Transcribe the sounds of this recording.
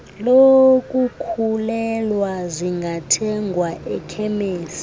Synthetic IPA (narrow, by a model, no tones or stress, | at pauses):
lokʼukʰulɛlwazʷiŋɡʱatʰɛŋɡʱwaʔɛkʰɛmeːsi̥